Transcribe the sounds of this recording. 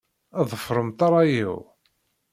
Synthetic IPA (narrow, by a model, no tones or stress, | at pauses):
ɑðˤəfɾˤəmt̪ɑɾˤɑjḭw